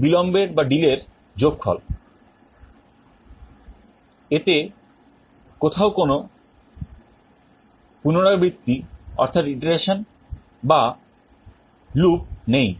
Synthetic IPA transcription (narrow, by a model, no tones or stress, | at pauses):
bilɔmbeɾbaɖileɾ | d͡ʑokfʰɔ̰l | et̪e | kot̪ʰaokono | punoɽ̃abɾit̪ːiɔ̰ɾt̪ʰat̪iʈaɾeʃon | ba | lup̚nej